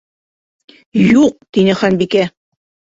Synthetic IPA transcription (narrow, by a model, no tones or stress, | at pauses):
juq̚t̪inɘχænbikæ